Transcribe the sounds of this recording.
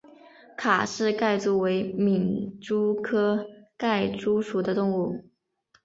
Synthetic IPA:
kʰa˨˩ʂɻ̩˥˧ka˥˧ɪt͡su˥˩we˧˥ɪmi˨˩ŋʈ͡ʂu˥kʰɤ˥ka˥˩ɪʈ͡ʂu˥ʂu˨˩d̪ə˦t̪ʊ˥˧ŋu˥˩

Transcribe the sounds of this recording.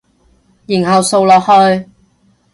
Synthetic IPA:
jiː˨˩ŋhɐ˨wso˨˧wlɔː˨khɵ˧ɥ

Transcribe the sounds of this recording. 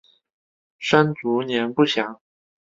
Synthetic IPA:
ʂa˥nt͡su˧˥njɛ˧˥npu˥˩ɕjɑ˨˩˥ŋ

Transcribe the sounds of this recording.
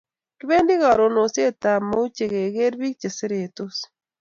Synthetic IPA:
ki˦βe˦ndi˦ɣa˨ɾo˨no˨sje˦ta˨ma˦u˦t͡ʃe˨ɣe˨ɣe˦ɾβi˦k̚t͡ʃe˨se˦ɾetos

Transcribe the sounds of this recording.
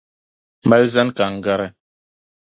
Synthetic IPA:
ma˦lza˦nka˨ŋ˨ɡa˦ɾɛ˦

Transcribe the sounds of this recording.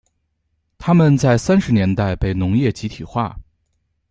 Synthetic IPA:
t̪ʰa˥mə˨nt͡sa˥˩ɪsa˥nʂɻ̩˧˥njɛ˧˥nt̪a˥˧ɪpe˥˩ɪnʊ˧˥ŋjɛ˥˩t͡ɕi˧˥t̪ʰi˨˩xwa̰˥˩

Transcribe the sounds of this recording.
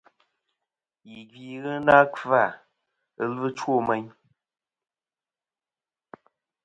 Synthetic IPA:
ji˨ɡɥi˨ɣɨ˦na˦ka˦˨ | ə˦lɨ˦t͡ʃwo˦˨me˦ɲ

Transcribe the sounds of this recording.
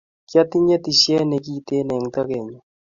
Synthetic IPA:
kja˦t̪i˦ɲɛ˦t̪i˨sjɛ˦nɛ˨ki˦˨t̪e˦nɛ˨ŋt̪a˦kɛ˨ɲo˨

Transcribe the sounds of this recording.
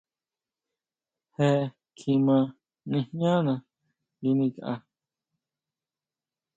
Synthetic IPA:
he˧ | kʰĩ˧mã˧ | nĩ˧hɲã˦nã˧ | ji˧˦nĩ˧ka˧ʔa̰˧

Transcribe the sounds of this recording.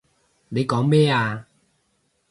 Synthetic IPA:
le˨˧jkɔː˨˥ŋmɛː˥aː˧

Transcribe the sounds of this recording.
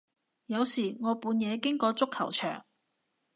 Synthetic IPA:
jɐ˨˧wsiː˨˩ŋɔː˨˧puː˨˧njɛː˨˧kɪ˥ŋkɔː˧t͡sʊ˥kʰːɐ̰˨˩wt͡ʃʰœː˨˩ŋ

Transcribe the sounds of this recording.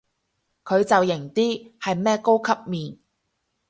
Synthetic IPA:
kʰɵ˨˧ɥt͡sɐ˨wjɪ˨˩ŋt̪iː˥hɐ˨jmɛː˥ko˥wkʰɐ˥p̚miː˨n

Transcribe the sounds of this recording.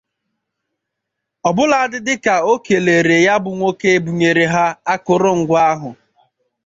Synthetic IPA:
ɔ˨bʊ˦la˨a˦dɪ˦dɪ˦ka˨o˦ke˨le˨ɾe˨ja˦bʊ˨ŋʷo˦ke˦e˨bu˨ɲe˨ɾe˨ɦa˦a˦kʊ˨ɾʊ˦ŋ̩˨ɡʷa˦ɦʊ˨

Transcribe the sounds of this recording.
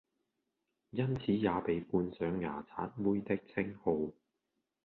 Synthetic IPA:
jɐ˥nt͡sʰiː˨˥jaː˨˧pe˨˧jpuː˧nsœː˨˧ŋːa̰ː˨˩t͡sʰa̰ː˨˥t̚wuː˥jt̪ɪ˥k̚t͡sʰɪ˥ŋho˧w

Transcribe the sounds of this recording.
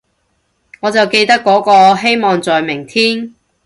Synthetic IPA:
ŋɔː˨˧t͡sɐ˨wke˧jt̪ɐ˥kːɔː˨˥kɔː˧ɦe˥jmɔː˨ŋt͡sɔː˨jmɪ˨˩ŋt̪ʰiː˥n

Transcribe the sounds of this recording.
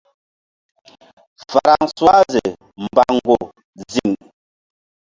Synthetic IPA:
fa˨ɾa˨ŋswa˦ze˨ | m̩˨ba˨ŋɡo˨ | zi˦˨ŋ

